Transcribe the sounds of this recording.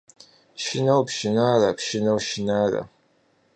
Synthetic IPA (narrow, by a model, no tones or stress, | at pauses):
ʃɪnɐwpʃɪnaːrapʃɪnɐwʃɪnaːra̰